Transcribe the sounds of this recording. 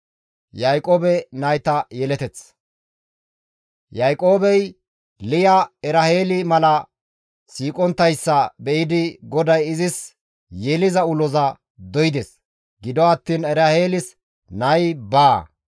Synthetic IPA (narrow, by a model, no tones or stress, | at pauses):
jajkʼoːbɛnɐjt̪ɐjɛlɛt̪ɛt͡s | jajkʼo̞ːbɛj | lɪjɐɛɾɐheːlɪmɐlɐ | siːkʼɔnt̪ːɐjsːɐbɛʔɪd̪ɪɡɔd̪ɐjɪzɪs | jɛlɪzɐʊlɔzɐ | d̪ɔjɪd̪ɛs | ɡɪd̪ɔɐt̪ːiːnɛɾɐheːlɪs | nɐjbaː